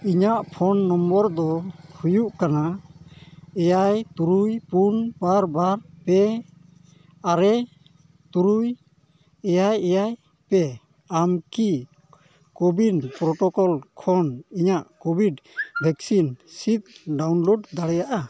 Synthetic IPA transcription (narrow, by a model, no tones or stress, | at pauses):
iɲaʔpʰɔnːɔmbɔɾd̪ɔhujuʔkana | ɛjajt̪uɾujpunbaɾbaɾpɛ | aɾɛ | t̪uɾuj | ɛjajɛjaj | pɛ | amki | kobinpɾɔʈɔkɔlkʰɔniɲaʔkobʱiɖbʱɛksinsit̪̚ɖawnloɖd̪aɽɛjaʔa